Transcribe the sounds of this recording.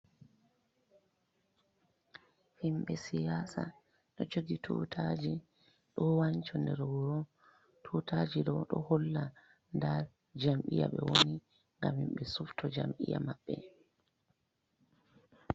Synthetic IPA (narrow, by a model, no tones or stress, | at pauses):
himɓɛsijasa̰ | ɗɔd͡ʒoɡitʰṵtʰad͡ʒi | ɗɔwaɲt͡ʃɔndɛɾwuɾɔ | tʰutʰad͡ʒiɗɔɗɔhɔlːa | ndaɾ | d͡ʒamɓija̰ɓɛwoni | ŋɡamhimɓɛsuftʰɔd͡ʒamʔḭja̰maɓːɛ